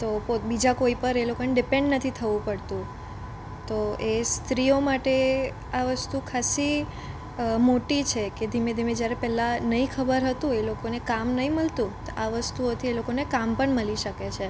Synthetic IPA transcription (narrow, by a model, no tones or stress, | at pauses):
t̪opobid͡ʒakoipəɾelokoneɖɪpẽɳɖnət̪ʰit̪ʰəʋũpəɽt̪ũ | t̪oest̪ɾiomaʈe | aʋəst̪ukʰasi | moʈit͡ʃʰeked̪ʱimed̪ʱimed͡ʒjaɾepɛlanəɦĩkʰəbəɾɦət̪ũelokonekamnəɦĩməlt̪ũt̪aʋəst̪uot̪ʰielokonekampəɳməliʃəket͡ʃʰe